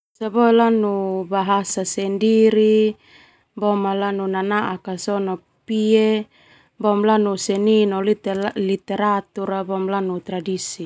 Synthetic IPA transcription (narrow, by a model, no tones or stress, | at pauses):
sabɔlanubaɦasasɛndiɾi | bɔmalanunanaʔakasɔnɔ | pie | bɔmlanusɛninɔlit̪lit̪ɛɾat̪uɾabɔmlanut̪ɾadisi